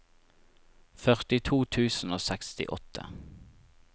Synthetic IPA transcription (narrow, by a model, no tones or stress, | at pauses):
fœʁt̪ɪt̪ʰuːt̪ʰʉːsn̩oːsɛkst̪ɪ̰ʔɔt̪ʰə̰